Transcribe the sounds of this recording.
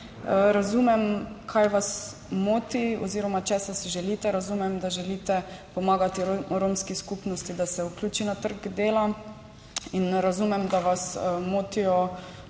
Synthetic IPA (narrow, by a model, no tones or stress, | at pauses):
ɾazumɛmkʰajʋas | moːt̪iɔ̰ziːɾɔmat͡ʃɛsasiʒɛliːt̪ɛɾazumɛmd̪aʒɛlit̪ɛpɔmaːɡat̪iɾoːmskiskupnɔst̪id̪asɛuklʲuːt͡ʃinat̪əɾɡd̪eːla | inɾazuːmɛmd̪aʋasmoːt̪ijɔ